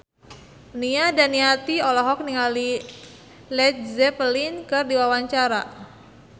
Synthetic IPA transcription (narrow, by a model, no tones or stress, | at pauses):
niadaniat̪iɔlɔɦɔk̚niŋali | lɛt̪̚zɛpəlinkɨrdiwawaɲt͡ʃaɾa